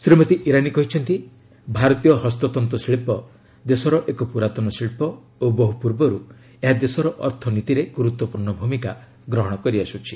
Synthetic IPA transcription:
sɾimɔt̪iʔiɾanikɔɦit͡ʃʰɔnt̪i | bʱaɾɔt̪ijɔɦɔst̪ɔt̪ɔnt̪ɔsiɭipɔ | d̪esɔɾɔʔekɔpuɾat̪ɔnɔsiɭpɔ | obɔɦupuɾbɔɾu | eɦad̪esɔɾɔʔɔ̰ɾt̪ʰɔnit̪iɾeɡuɾut̪wɔpuɾɳɔbʱumika | ɡɾɔɦɔɽ̃ɔkɔɾiasut͡ʃʰi̥

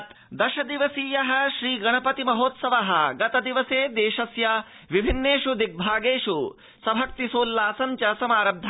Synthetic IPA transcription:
t̪ | d̪ɐʃɐd̪iʋɐsiːjɐɦɐ̆ʃɾiːɡɐɳ̃ɐpɐt̪imɐɦoːt̪sɐʋɐɦɐ̆ɡɐt̪ɐd̪iʋɐseːd̪eːʃɐsjɐ | ʋibʱinːeːʃud̪ik̚bʱaːɡeːʃu | sɐbʱɐk̚t̪isoːlːaːsɐmt͡ʃɐsɐmaːɾɐmb̚d̪ʱ

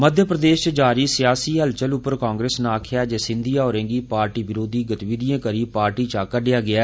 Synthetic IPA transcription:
məd̪ʱjəpɾəd̪eːst͡ʃd͡ʒaːɾiːsɪjaːsiːɦəlt͡ʃəlʊpəɾkãːŋɡɾeːsnaːkʰɪjaːd͡ʒeːsɪ̃nd̪ijãːoːɾẽːŋɡiːpaːɾʈiːʋɪɾoːd̪iːɡət̪ʋid̪ijãːkəɾiːpaːɾʈiːt͡ʃaːkəɖɪjaːɡɪaː

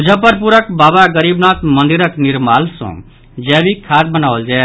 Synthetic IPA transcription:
ud͡ʒʱəpəɾp̬uɾəkbabaɡəɾibnat̪mənd̪iɾəkniɾmalsõ̰ | d͡ʒɛbikʰːad̪̚bənawəld͡ʒae

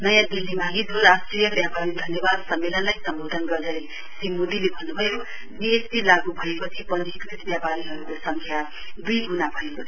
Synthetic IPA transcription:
nʌjãd̪ilːimaɦid̪oɾasʈrijʌbjapaɾid̪ʱʌnjʌbad̪sʌmːelʌnlajsʌmbod̪ʱʌnɡʌrd̪ʱʌɾe | simod̪ilebʱʌnːubʱʌjo | biespilaɡubʱʌekot͡sʰipʌnd̪ʱit̪ɾit̪bjapaɾiɦʌɾukosʌŋkʰja | d̪ujɡunabʱʌekot͡sʰi̥

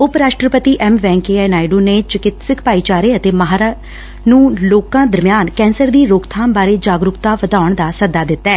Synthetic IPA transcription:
ʊpɾaːʃʈɾəpət̪iːʔɛːmʋɛ̃ːŋkeːɛːnaːɪɖuːneːt͡ʃɪkɪt̪sɪkʰpaːiːt͡ʃaːɾeːət̪eːməɦaːɾa | nũːloːkãːd̪əɾmɪjaːnkɛ̃ːnsəɾd̪iːɾoːkt̪ʰaːmbaːɾeːd͡ʒaːɡɾʊkt̪aːʋəd̪aːʊɳd̪aːsəd̪aːd̪ɪt̪ːɛː

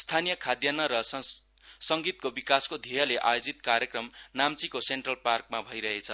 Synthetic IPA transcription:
st̪ʰanijʌkʰad̪janʌɾʌ | sʌŋɡit̪̚kobikaskod̪ʱijʌleʔa̰jod͡zit̪kaɾjʌkrʌmnamt͡sikoseɳʈrʌlparkmabʱʌjɾʌɦet͡sʰʌ

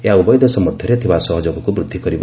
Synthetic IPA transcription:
eɦaubɔjd̪ɔsɔmɔd̪ʱjɔɾet̪ʰibasɔɦɔd͡ʒoɡɔkubɾud̪ʱːikɔɾib

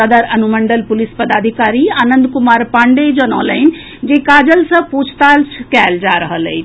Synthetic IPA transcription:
əd̪aɾɐnumə̃ɳɖəlpʊlispɐd̪aːd̪ʱikaːɾiaːnə̃nd̪kʊmaːɾpãːɳɖed͡ʑonɔ̃ːlaːɪn | d͡ʑẽːkaːd͡ʑəlsɐ̃puːt͡ʃʰt̪aːlsʰkaːld͡ʑaːɾɐɦəliː

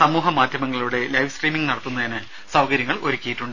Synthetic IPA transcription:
sɐmuːɦɐmaːd̪ʱjɐmɐŋːɐɭuɽe̞lɐjʋskriːmiŋɡnɐɽɐt̪ːunːɐðinɨ | sɐwkɐɾjɐŋːɐɭoɾukʲːijiʈːuɳɖ

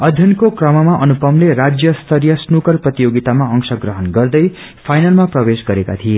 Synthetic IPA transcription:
ʌd̪ʱjʌnkokrʌmʌmaʔʌnupʌmleɾad͡zjʌst̪ʰʌɾjʌsnukʌrprʌt̪ijoɡit̪amaʌŋsʌɡrʌɦʌnɡʌrd̪ʌj | pʰajnalmaprʌbesɡʌɾeka̰t̪ʰije

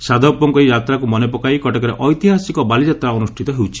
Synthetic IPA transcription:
sad̪ʱɔpɔŋkɔiɾat̪ɾakumɔnep̬ɔkaikɔʈekɔɾeʔɔjt̪iɦasikɔbalid͡ʒat̪ɾaɔnusʈʰit̪ɔɦewt͡ʃʰi̥

